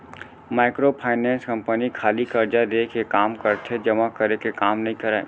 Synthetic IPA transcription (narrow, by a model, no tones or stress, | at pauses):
maːɪkɾopʰaːɪnɛ̃ːnskɐ̃mpənikʰaːlikɐɾd͡ʒad̪eːkʰekaːmkɐɾt̪ʰed͡ʒɐmakɐɾekekaːmnɐɦĩkɐɾaːḛ